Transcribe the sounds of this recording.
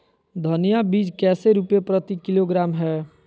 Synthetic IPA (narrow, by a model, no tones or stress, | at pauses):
d̪ʱənijabiːd͡ʒkɛːseɾupjepɾət̪ikɪloɡɾaːmɦɛː